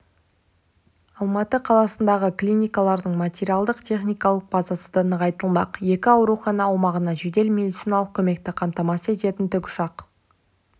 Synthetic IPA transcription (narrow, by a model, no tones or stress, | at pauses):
ɑlˠmɑt̪əqʰɑlˠɑsənd̪ɑʁəklʲinʲijkɑlˠɑɾd̪əɴmat̪ʲeɾʲiɑlˠd̪əqt̪ʰʲe̞χnʲijkɑlˠəq̚b̥ɑzɑsəd̪ənəʁɑjt̪əlˠmɑqje̞kʲɪɑwɾuχɑnɑwomɑʁənɑʒed̪e̞lmʲe̞d̪it̪sijnɑlˠəq̚kʲʰɵme̞k̚t̪ɪqʰɑmt̪ɑmɑse̞t̪e̞t̪ɪnt̪ʏkʲʊ̥ʃɑq